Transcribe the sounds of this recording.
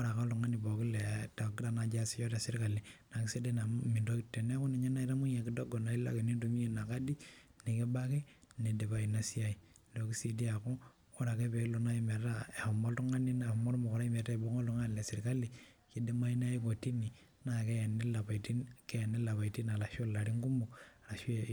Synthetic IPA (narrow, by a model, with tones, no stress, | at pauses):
ɔ˦ɾa˨ka˦lu˨ŋa˦ni˨bɔ˨kɪ˦le˨ta˨ki˦ɾa˨na˨d͡ʒa˦si˦t͡ʃɔ˦ta˨sɪ˦ɾka˨li˨na˨ki˦se˦de˦na˨mi˨ndo˦itːe˨ne˦a˦ko˦ne˨ɲe˦na˦i˦ta˦mu˦na˨ki˦dɔ˦ɡɔ˨na˨i˦la̰˦ke˨ni˦du˨mi˦e˨na˨ka˦di˦ne˨ke˦ba˦ke˦ne˨de˨ba˨i˨na˦si˦a˦i˨ | lo˨ki˦si˨di˦a˨ko˦ | o˦ɾa˨ke˦pe˨˦lo˨na˦i˦me˨˦a˦a˨mɔ˦ltu˦ŋa˦ni˦na˨mɔ˦lmo˨kɔ˨ɾa˦i˦me˨ta˦˨bo˦ŋo˦ltu˦ŋa˦n˨le˨sɪ˨ɾka˦li˨ | ke˦de˦ma˦i˦n˦a˦i˦ko˨ti˦ni˨ | na˨ke˦˨ne˦la˨pa˨ti˦ke˦a˨ne˦la˨βa˨i˨ti˦na˨la˨ʃo˦la˨ɾi˦ŋɡu˦mu˨ka˨la˨ʃe˦